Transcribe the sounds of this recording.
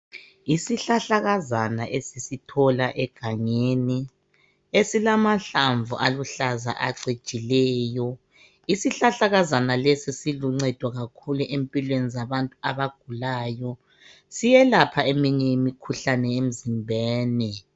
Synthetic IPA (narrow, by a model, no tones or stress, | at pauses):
isiɬaɬaɣazanaʔesisitʰɔlaʔɛɡ̥ʱaŋeːni | esilamaɬaɱvuʔaluɬaza̰ʔa̰ǀed̥t͡ʃʼilɛːjɔ | isiɬaɬaɣazanalesisiluŋ͡ǀɛd̥ʱwɔɣakʰuluʔempʼilwenizaβantʼuaβaɡ̥ʱulaːjɔ | sijɛlapʰaemiɲɛjimikʰuɬanɛem̩zimbʱɛːnɛ